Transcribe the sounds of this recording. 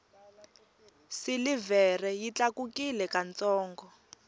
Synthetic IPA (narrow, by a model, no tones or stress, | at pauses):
silivɛrɛjit͡ɬakukilɛkant͡sɔːŋɡɔ